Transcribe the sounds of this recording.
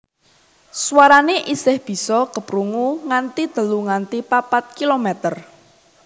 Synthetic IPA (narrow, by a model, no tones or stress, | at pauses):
swaɾaneʔisɪhb̥i̤sɔkəpɾuŋuŋant̪id̪̥ə̤luŋant̪ipapat̪̚kilomɛt̪ər